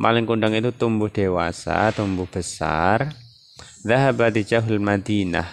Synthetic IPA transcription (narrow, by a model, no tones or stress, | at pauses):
ma̰lɪŋkundaŋit̪ut̪umbʊhd̥ewa̰sa̰t̪umbʊhb̥əsa̰r | ðaɦabat̪id͡ʒaɦalmad̪ina̰h